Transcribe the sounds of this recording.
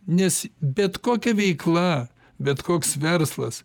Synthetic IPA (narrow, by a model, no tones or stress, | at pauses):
nʲɛsbʲɛt̪koːkʲɛʋʲɛɪklˠɐ | bʲɛt̪koːksʋʲɛrslˠɐs